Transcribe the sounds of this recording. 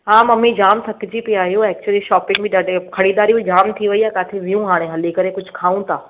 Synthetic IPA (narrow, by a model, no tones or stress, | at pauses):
ɦãːmɐmid͡ʑaːmsʰɐkɪd͡ʑipiaːɦjũɛːk̚t͡ɕwəliʃɔːpɪ̃ŋɡbʱĩɖaɖkʰɐɽiːd̪aːɾibid͡ʑaːmt̪ʰiʋɐiakaːt̪ʰeʋijũɦaːɽ̃ẽɦɐlikɐɾekʊd͡ʑʱʊkʰaːũt̪ʰaː